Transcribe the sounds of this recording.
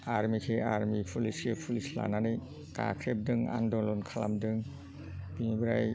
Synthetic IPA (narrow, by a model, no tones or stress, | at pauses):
aɾmikʰeaɾmipʰuliskʰepʰulisla̰nanɯj | ka̰kʰɾep̚dɯŋa̰ndɔlɔnkʰala̰mdɯŋ | biŋibɯɾaj